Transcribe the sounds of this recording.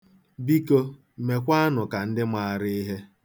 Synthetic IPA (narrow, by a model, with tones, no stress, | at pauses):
bi˦ko˦ | me˨kʷa˦a˦nʊ˨ka˨n̩˦dɪ˦mʷa˨ɾɪ˦i˦ɦe˦